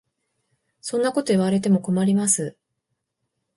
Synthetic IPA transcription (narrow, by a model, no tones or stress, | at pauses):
sõ̞nːako̞t̪o̞iβaɾe̞t̪e̞mo̞ko̞maɾʲimasɨ